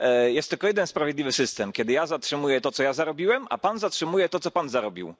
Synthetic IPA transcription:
jɛst̪ːɘlkɔjɛd̪ɛnspɾavʲed̪lʲivɘsɘst̪ɛmkʲɛd̪ɘjazatʂɘmujɛt̪ɔt̪sɔjazaɾɔbʲiwɛma̰panzatʂɘmujɛt̪ɔt̪sɔpanzaɾɔbʲḭw

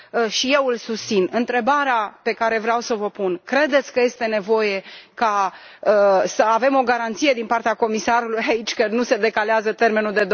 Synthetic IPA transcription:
ʃije̞wɨlsust̪sinɨnt̪ɾe̞baɾeape̞kaɾe̞vɾeawsəvəpunkɾe̞d̪e̞t̪sʲkəje̞st̪e̞ne̞vo̞je̞ka | əsəave̞mo̞ɡaɾant̪sije̞d̪inpart̪eako̞misaɾulujait͡ʃʲkənuse̞d̪e̞kaleazət̪e̞rme̞nuld̪e̞d̪

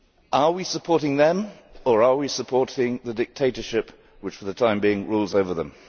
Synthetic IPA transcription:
ʔəwisəpʰɔɹɾɪ̃ŋðə̃mə˞əwisəpʰɔɹɾɪ̃ŋðədɪk̚tʰeɪɾə˞ʃɪp | wɨt͡ʃfəðətʰãɪ̃mbiɪ̃ŋɹuːlˠzoʊvə˞ðə̰̃m

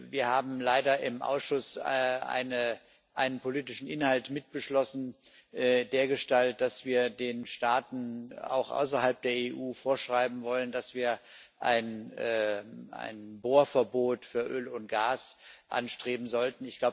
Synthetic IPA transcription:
viːɐhaːbm̩laɪdɐʔɪmʔa̰ʊsʃʊsʔa̰ɪnə | ʔaɪnənpoliːtɪʃn̩ʔɪnhaltmɪt̚b̥əʃlɔsn̩ | ʔdeːɐɡəʃtalt̚d̥asv̥iːɐdeːnʃtaːtn̩a̰ʊxʔa̰ʊs̬ɐhalp̚d̥eːɐeːʔuːfoːɐʃʁ̥aɪbm̩vɔləndasv̥iːɐ | ʔa̰ɪnː | a̰ɪnboːɐfɛɐboːtfyːɐʔøːlʊnt̚ɡ̥aːsʔa̰nʃtʁ̥eːbm̩zɔltn̩ɪçɡ̥laʊ

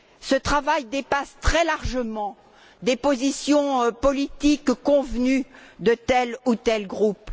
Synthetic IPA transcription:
sət̪χavajd̪epast̪χɛlaʁʒəmɑ̃ | d̪epozisjɔ̃pɔlit̪ikkɔ̃vnyd̪ət̪ɛlut̪ɛlɡʁup

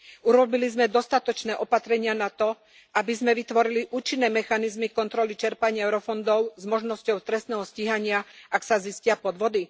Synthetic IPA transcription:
uɾɔbilizmɛd̪ɔst̪at̪ɔt͡ʃnɛːʔɔpat̪ɾɛɲɪanat̪ɔ | ʔabizmɛʋit̪ʋɔɾiliʔuːt͡ʃinːɛːmɛxanizmikɔnt̪ɾɔlit͡ʃɛɾpaɲɪaɛʊɾɔfɔnd̪ɔʊzmɔʒnɔscɔʊt̪ɾɛst̪nɛːɦɔsciɦaɲɪaʔaksaziscɪapɔd̪ʋɔd̪i

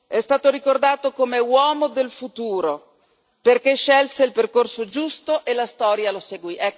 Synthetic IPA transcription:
ɛst̪aːt̪oɾikord̪aːt̪okomewɔːmod̪elfut̪uːɾo | perkeʃːɛlseilperkorsod͡ʒust̪oʔelast̪ɔːɾjaloseɡwiʔɛkː

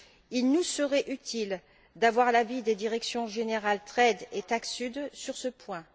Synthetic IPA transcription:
ilnusəʁɛʔyt̪ʰil | d̪avwaʁlavid̪ed̪iʁɛksjɔ̃ʒeneʁalt̪χɛd̪et̪aksyd̪syʁsəpwɛ̃

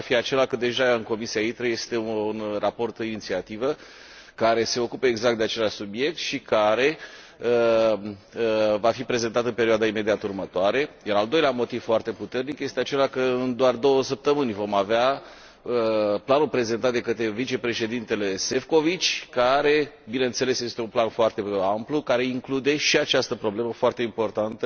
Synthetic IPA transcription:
afiat͡ʃe̞lakəd̪e̞ʒaɨnko̞misiait̪ɾəje̞st̪e̞unrapo̞rt̪init̪siat̪ivə | kaɾe̞se̞o̞kupəeɡzakt̪d̪eat͡ʃe̞laʃʲsubje̞k̚t̪ʃikaɾe̞ | ə | vafipɾe̞ze̞nt̪at̪ɨnpe̞ɾioad̪aime̞d̪iat̪urmət̪oaɾe̞jaɾald̪o̞jleamo̞t̪iv̥foart̪e̞put̪e̞rnikje̞st̪eat͡ʃe̞lakəɨnd̪oard̪o̞wəsəp̚t̪əmɨnʲvo̞mavea | əplanulpɾe̞ze̞nt̪at̪d̪e̞kət̪ɾe̞vit͡ʃe̞pɾe̞ʃe̞d̪int̪e̞le̞se̞fko̞vit͡ʃʲkaɾe̞ | binent̪se̞le̞sje̞st̪eunplanfoart̪e̞amplukaɾe̞iŋklud̪e̞ʃiat͡ʃast̪əpɾo̞ble̞məfoart̪e̞impo̞rt̪ant̪ə

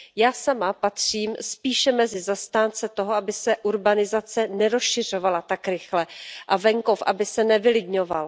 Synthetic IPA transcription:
jaːsamapat̪r̝̥iːmspiːʃɛmɛzɪzast̪aːnt͡sɛt̪o̞ɦoabɪsɛʔuɾbanɪzat͡sɛnɛɾosʃɪr̝o̞valat̪akɾɪxlɛʔavɛŋko̞fʔabɪsɛnɛvɪlɪdɲo̞val

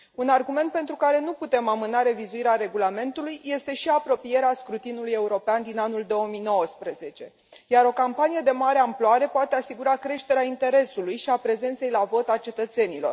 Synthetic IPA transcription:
unarɡume̞nt̪̚pe̞nt̪ɾukaɾe̞nuput̪e̞mamɨnaɾe̞vizuiɾeaɾe̞ɡulame̞nt̪ulujːe̞st̪e̞ʃiapɾo̞pije̞ɾeaskɾut̪inuluje̞uɾo̞peand̪inanuld̪o̞omijno̞wəspɾəze̞t͡ʃe̞ | jaɾo̞kampanije̞d̪e̞maɾe̞amploaɾe̞poat̪e̞asiɡuɾakɾe̞ʃt̪e̞ɾeaint̪e̞ɾe̞sulujʃiapɾe̞ze̞nt̪se̞jlavo̞t̪at͡ʃe̞t̪ət̪se̞nilo̞̰r

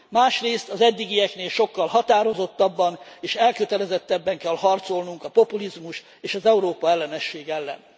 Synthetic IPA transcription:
maːʃreːst̪ɒzɛd̪ːiɡijɛkneːlʃo̞kːɒlɦɒt̪aːɾo̞zo̞t̪ːɒbːɒneːʃɛlkøt̪ɛlɛzɛt̪ːɛbːɛŋkɛlhɒrt̪so̞lnuŋkɒpo̞pulizmuʃ | eːʃɒzɛuɾoːpɒɛlːɛnɛʃːeːɡɛlːɛ̰n

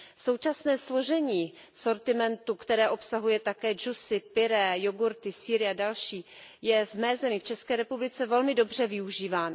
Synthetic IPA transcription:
so̞wt͡ʃasnɛːslo̞ʒɛɲiː | so̞ɾt̪ɪmɛnt̪ukt̪ɛɾɛːʔo̞psaɦujɛt̪akɛːd͡ʒusɪpɪɾɛːjoɡuɾt̪ɪsiːɾɪadalʃiːjɛvmɛːzɛmɪft͡ʃɛskɛːɾɛpublɪt͡sɛvɛlmɪdo̞br̝ɛvɪuʒiːvaːno

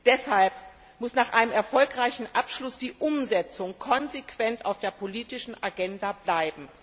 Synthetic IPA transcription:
d̥ɛshalp | mʊsnaːχʔaɪnəmɛɐfɔlkʁaɪçn̩ʔapʃlʊsd̥iːʔʊmzɛt͡sʊŋkʰɔnzekv̥ɛnta̰ʊfd̥eːɐpʰoliːtɪʃn̩ʔaɡɛndablaɪbm̩

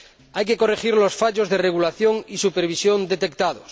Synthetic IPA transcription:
ajke̞ko̞rexiɾlo̞sfaʎo̞zðereɣ̞ulaθjo̞ŋisupeɾβ̞isjo̞nd̪e̞t̪e̞kt̪aðos

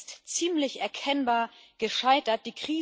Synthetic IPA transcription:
stt͡siːmlɪçʔɛɐkʰɛnbaːɐɡ̥əʃaɪtɐt̚d̥iːkʁ̥iː

